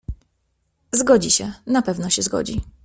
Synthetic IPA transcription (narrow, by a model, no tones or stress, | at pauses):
zɡɔd͡ʑiɕɛnapɛvnɔɕɛzɡɔ̰d͡ʑḭ